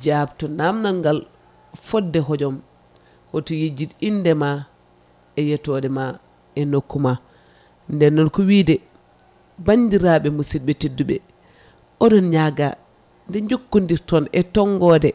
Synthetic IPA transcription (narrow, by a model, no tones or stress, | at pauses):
d͡ʒabtɔnamnaŋɡal | fɔdːɛɦɔd͡ʒɔm | hɔtɔjid͡ʒidindɛma | ɛjɛtɔdɛma | ɛnokːuma | ndɛnːɔnkɔwiːdɛ | bandiɾaɓɛmusidɓɛtedːuɓɛ̰ | ʔɔdɔnɲaɡa | ndɛɲd͡ʒokːundiɾtɔnɛtɔŋɡɔdɛ